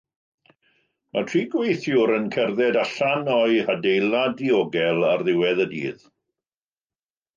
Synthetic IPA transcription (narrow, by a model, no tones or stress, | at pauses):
matʰriːɡwejθjʊɾənkʰɛrðɛdaɬanɔɨadejlˠadiɔɡɛlˠarðɪwɛðədḭːð